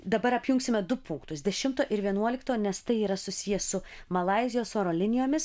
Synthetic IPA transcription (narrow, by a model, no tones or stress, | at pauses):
d̪ɐbɐɾɐpʲjʊŋksʲɪmʲɛd̪ʊpʊŋkt̪ʊsd̪ʲɛʃʲɪmt̪oːʔɪɾʋʲiɛnuɔlʲɪkt̪oːnʲɛst̪ɐɪiːɾɐsʊsʲɪjɛssʊ | mɐlˠɐɪzʲɪjoːsoːɾoːlʲɪnʲɪjoːmʲɪs